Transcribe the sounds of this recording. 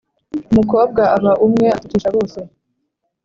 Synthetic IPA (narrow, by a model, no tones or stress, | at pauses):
umuko̞ːb̚ɡaaβaʔumŋe̞atu̥tiːʃaβo̞ːse